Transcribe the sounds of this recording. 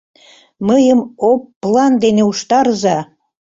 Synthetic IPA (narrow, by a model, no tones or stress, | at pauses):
məjəmopːlɑnd̪eneuʃt̪ɑɾəzɑ